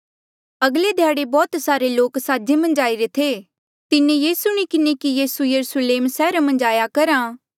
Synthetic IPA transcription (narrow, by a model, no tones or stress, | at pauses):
ɐɡled̪ʱjaːɽebɔːt̪saːɾeloːksaːd͡ʒemɐ̃nd͡ʒaːiɾet̪ʰeː | t̪ɪnejiːsʊɽ̃ikɪnekijɐɾʊsujɐɾusleːmsɛːɾamɐ̃nd͡ʒaːjakɐɾaː